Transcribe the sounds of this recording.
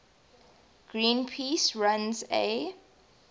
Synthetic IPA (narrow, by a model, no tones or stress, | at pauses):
ɡ̥ɹĩːnpʰiːsɹãnzḛ